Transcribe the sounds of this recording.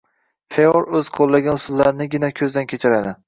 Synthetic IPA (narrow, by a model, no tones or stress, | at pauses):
feoɾɵz̥qʰolˠːaɡʲanʊsʊlˠːaɾnɪɡʲɪnakʲʰɵzd̪ankʲʰet͡ʃʰɪɾad̪ɪ